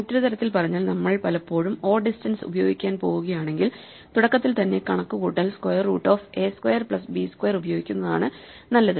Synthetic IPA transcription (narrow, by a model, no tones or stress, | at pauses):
ɐtːɐɾut̪ɐɾɐt̪ːilpɐrɐɲːaːlnɐmːɐɭpɐlɐpːo̞ːɻumo̞ːrɖistɐnsṵbɐjo̞̰ːɡikʲːaːnpo̞ːɣuɣɐjaːɳe̞ŋɡil | t̪uɽɐkːɐt̪ːilt̪ɐnːe̞kɐɳɐkːukuːʈːɐlskwɐjɐrṵːʈːo̞ːfe̞ːskwɐjɐrpɭɐsbiːskwɐjɐrubɐjo̞ːɡikʲːunːɐða̰ːɳɨ | nɐlːɐðɨ